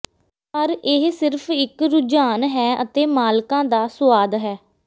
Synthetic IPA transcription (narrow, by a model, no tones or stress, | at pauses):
pəɾɪɦsɪɾpʰɪkɾʊd͡ʒaːnɦɛːʔə̰t̪eːmaːlkãːd̪aːsʊaːd̪ɦɛː